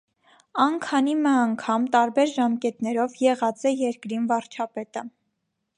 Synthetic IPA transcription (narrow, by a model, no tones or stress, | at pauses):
ɑnkʰɑnimɛɑŋkʰɑmt̪ɑɾbɛɾʒɑmkɛt̪nɛɾɔvjɛʁɑt͡sɛjɛɾkɾinvɑɾt͡ʃʰɑpɛt̪ə